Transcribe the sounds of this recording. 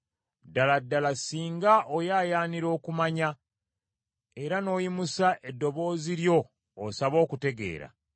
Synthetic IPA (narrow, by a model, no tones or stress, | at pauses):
daladːalasiːŋɡaʔojaːjaːniɾo̞ːkumaɲa | e̞ɾano̞ːjimusaʔe̞dːo̞βo̞ːziɾjo̞ː | saβo̞ːkute̞ɡe̞̰ːɾa̰